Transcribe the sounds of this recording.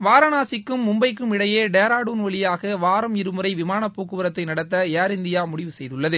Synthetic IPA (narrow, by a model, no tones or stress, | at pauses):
ʋaːɾɐnaːsɪkːɯmːʊmbɐɪk̬ːɯmɪɽɐjeːɖeːɾaːɽuːnʋɐɭɪjaːɣɐʋaːɾɐmɪɾɯmɯɾɐɪʋɪmaːnɐpːuːkːɯʋɐɾɐt̪ːɐɪnɐɽɐt̪ːɐjaːɾɪnd̪ɪjaːmʊɽɪʋɯsɛjðɯɭːɐðɯ